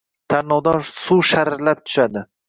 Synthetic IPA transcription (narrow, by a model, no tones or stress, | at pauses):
t̪ʰaɾnɒwd̪ɒsuʃaɾɾlap̚t̪ʰʊ̥ʃad̪ɪ